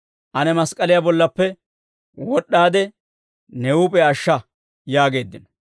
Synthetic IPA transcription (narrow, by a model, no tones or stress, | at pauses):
ʔɐnɛmɐskʼɐlɪjabɔlːɐpːɛ | wɔɗːaːd̪ɛ | nɛuːpʼɛɐʃːɐ | jaːɡe̞ːd̪ːɪnɐ